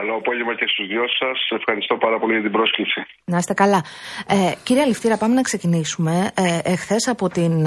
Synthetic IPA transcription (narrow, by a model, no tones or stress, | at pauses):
ɐloːpo̞ʝevmɐcest̪uzðʝossɐse̞fxɐɾist̪o̞pɐɾɐpo̞liʝɐt̪ibɾo̞sklipsi | nɐst̪e̞kɐlɐeciɾieɐlift̪iɾɐpɐmenɐkse̞cinisume̞exθe̞sɐpo̞t̪in